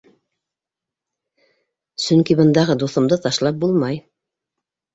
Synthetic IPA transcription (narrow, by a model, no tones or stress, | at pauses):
sɵŋkibɤ̆nd̪ɑʁɤd̪uθɤ̆md̪ɤt̪ɑʃlˠɑp̚bulˠmɑj